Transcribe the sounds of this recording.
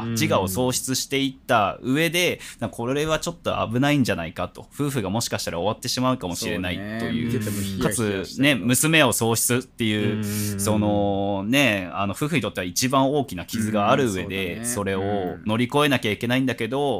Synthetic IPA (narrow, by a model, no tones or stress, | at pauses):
t͡ɕiɡao̞so̞ːɕi̥t͡sɨɕi̥t̪e̞it̪ːaɯ̟e̞d̪e̞d̪akʰo̞ɾɾe̞βat͡ɕo̞t̪ːo̞̰a̰bɯ̟naĩɲ̟d͡ʑana̰ikat̪o̞̥ɸɯ̟ːɸɯ̟ɡamo̞ɕi̥kaɕi̥t̪aɾaoβat̪ːe̞ɕimaɯ̟kamo̞ɕiɾe̞naḭt̪o̞jɯ̟̰ːkat͡sɨne̞mɯ̟sɨme̞o̞so̞ːɕi̥t͡sɨt̪ːe̞jɯ̟ːso̞no̞ne̞ano̞ɸɯ̟ːɸɯ̟ɲit̪o̞t̪ːe̞ait͡ɕibãɰ̃o̞ːkʲinakʲizɨɡaːɾɯ̟ɯe̞d̪e̞so̞ɾe̞o̞no̞ɾʲiko̞e̞nakʲaikʲe̞naĩnd̪ake̞d̪o̞